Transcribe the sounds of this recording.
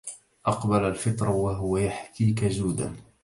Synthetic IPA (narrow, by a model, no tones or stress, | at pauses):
ʔɑqbalalfɨt̪ˤɾˤwaɦʊwajaħtiːkazuːd̪a̰n